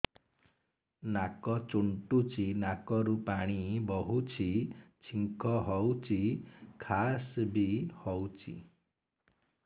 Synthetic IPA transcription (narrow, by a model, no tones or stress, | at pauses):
nakɔt͡ʃuɳʈut͡ʃʰinakɔɾupaɽ̃ibɔɦut͡ʃʰit͡ʃʰiŋkʰɔɦɔwt͡ʃʰikʰasbihɔwt͡ʃʰḭ